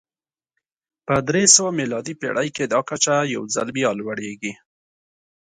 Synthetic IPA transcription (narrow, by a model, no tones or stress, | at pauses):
pəd̪ɾesəwamilɑd̪ipḛɽʔajked̪ɑkat͡ʃaja̰wza̰lbjɑlwaɽeɡi